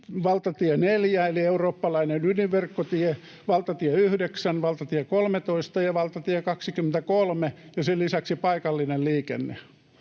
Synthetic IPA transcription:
ʋɑlt̪ɑt̪ieneljæelieuroːpːɑlɑinenyniʋʋerkːot̪ie | ʋɑlt̪ɑt̪ieyhdeksænʋɑlt̪ɑt̪iekolmet̪oist̪ɑjɑʋɑlt̪ɑt̪iekɑksikymːent̪ækolmejɑselisæksipɑikɑlːinelliːkḛnːḛ

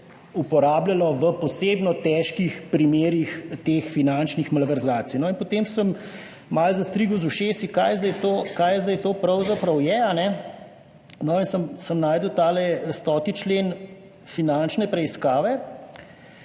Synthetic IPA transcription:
upɔɾaːbljalɔʋəpɔseːbnɔt̪ɛːʃkixpɾimeːɾixt̪eːxfinant͡ʃnixmalʋɛɾzaːt̪sinɔinpot̪eːmsəmː | alzɐst̪ɾiɡɔzuʃeːsikajzd̪ajt̪oːkajzd̪ajt̪oːpɾɐwzapɾɐwjɛanɛ | nɔinsəmsəmnaːjd̪əwt̪aːlɛst̪ɔt̪it͡ʃleːn | finant͡ʃnɛpɾɛiskaːʋɛ

